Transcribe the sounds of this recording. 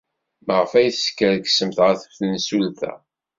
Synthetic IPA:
məʁəfæjθskːəɾɡsəmθʁæθə̥fθənsulθæ̰

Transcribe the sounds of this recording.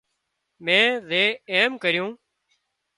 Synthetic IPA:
mɛ̃ːzeːeːmkəɾɪjũː

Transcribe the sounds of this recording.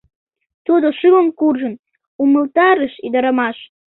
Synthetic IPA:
t̪ud̪oʃyləmkurʒə̆n | uməlt̪ɑɾəʃid̪əɾəmɑʃ

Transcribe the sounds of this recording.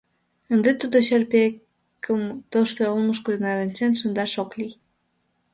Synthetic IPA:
ənd̪et̪ud̪oɕerpek | kəmt̪oʃt̪eolməʃkod̪nɑɾənʲt͡ɕenʃənd̪ɑʃoklij

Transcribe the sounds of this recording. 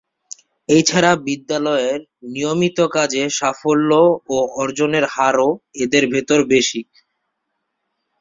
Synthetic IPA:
ejt͡ɕʰaɾabid̪ːalɔeɾ | nijomit̪okad͡ʑeʃafolːooɔɾd͡ʑoneɾhaɾoed̪eɾbʱet̪oɾbeʃik̚

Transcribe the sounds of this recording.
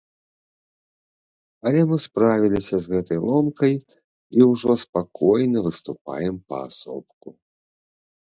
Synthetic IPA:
ɐlʲɛmɨspɾavʲilʲisʲɐzɣɛt̪ɐjlˠɔmkɐj | iwʐɔspakɔjnɐvɨst̪upa̰jɛmpɐ̰a̰sɔ̰pku

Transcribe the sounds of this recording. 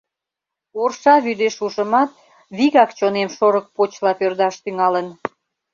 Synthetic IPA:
orʃɑβyd̪eʃuʃəmɑt̪̚ | βiɣɑkt͡ɕonemʃoɾək̚pot͡ɕlɑpørd̪ɑʃt̪yŋɑlən

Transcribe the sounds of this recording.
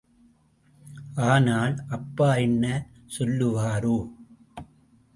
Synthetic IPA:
ʔaːnaːlʔɐpːaːɛɳːɐ | sɔlːɯʋaːɾoː

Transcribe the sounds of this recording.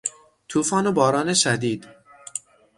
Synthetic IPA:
t̪ʰuːfɒːnobɒːɾɒːneʃæd̪iːd̪̥

